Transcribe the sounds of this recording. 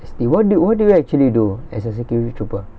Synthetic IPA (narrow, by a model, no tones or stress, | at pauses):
ɛstiwɔt̚duwɔt̚duaiɛk̚t͡ʃuəliduɛsəs̬ɛkjuɹititʰɹupə